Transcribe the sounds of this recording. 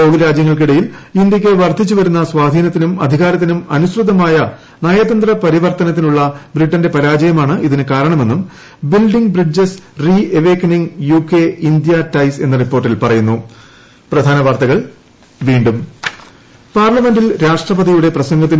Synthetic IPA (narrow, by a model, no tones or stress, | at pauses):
owðiɾaːd͡ʑjɐŋːɐɭk̬iɽɐjilind̪jɐk̬ʲːeʋɐrd̪ʱit͡ɕːuʋɐɾunːɐswaːd̪ʱiːnɐt̪ːinumɐ̰d̪ʱiɣaːɾɐt̪ːinumɐnuɕrud̪ʱɐmaːjɐ | naːjɐd̪ɐnd̪rɐpɐɾiʋɐrt̪ɐnɐt̪̬ːinuɭːɐbriʈːɐnde̞pɐɾaːd͡ʑɐjɐmaːɳɨʔiðinɨkaːɾɐɳɐme̞nːum | bilɖiŋɡbrid͡ʑesrieʋeːkɐniŋjuːkːeind̪jɐtɐjse̞nːɐripːoːrʈ̬ːilpɐrɐjunːu | prɐd̪ʱaːnɐʋart̪ɐɣɐɭ | ʋiːɳɖum | paːrlɐme̞nɖilɾaːʂʈrɐpɐðijuɽe̞prɐɕɐŋɡɐt̪̬ːin